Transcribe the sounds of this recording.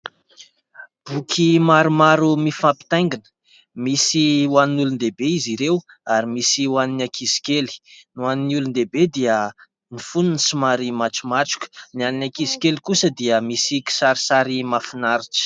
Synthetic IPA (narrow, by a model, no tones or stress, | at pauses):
b̥ukʰimaɾumaɾumifampi̥t̪ajŋɡinə̥ | misiwaninulund̪ebeiziɾew | aɾimisiwaninakʰisi̥keli̥nuaninulund̪ebed̪iə | nifununsimaɾimaʈ͡ʂumaʈ͡ʂu̥kʲə̥nianinakisi̥kelkusəd̪iəmisiki̥saɾisaɾimafinaɾiʈ͡ʂə̥